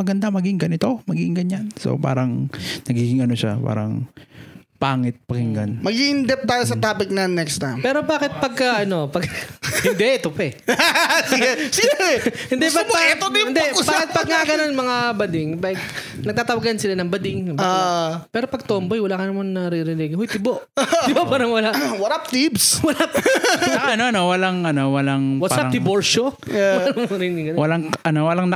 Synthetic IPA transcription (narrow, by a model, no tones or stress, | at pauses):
mɐɡɐnd̪amɐɡɪŋɡɐnɪt̪omɐɡɪŋɡɐɲanso̰pa̰ːɾɐŋnɐɡiːɡɪŋɐnoʃapa̰ːɾɐ̰ŋ | paːŋɪt̪̚pɐɡɪŋɡɐnmɐɡiʔɪnd̪ɛp̚t̪aːjos̬ɐt̪aːpɪk̚nɐnɛkst̪a̰mpɛːɾobaːkɪt̪̚pɐɡ̚kɐʔɐno̞pɐɡhɪnd̪ɛt̪ʊpɛ | sɪɛsɪɡɛɛhɪnd̪ɛpɐobɛɪnd̪ɛbakɪt̪̚pɐɡ̚ŋaːɡɐnonmɐŋabɐd̪ɪŋbɐɡ | nɐɡ̪̚aːt̪ɐwaɡansɪlanɐŋbɐd̪ɪŋbapɛːɾopɐɡ̚t̪oːmbojwɐlakɐnɐmannɐɾɪɾɪniɡɪɦojt̪ɪboʔ̪ɪboʔpaːɾɐŋwɐlaʔwɐɾap̚t̪ibswɐlapaɐnoʔɐnowɐlaŋʔɐnowɐlaŋwɐpsaɐd̪ɪboɾʃo | ɐanɐmaŋɾɪnɪɡɐwɐlaŋʔɐnowɐlaŋnɐ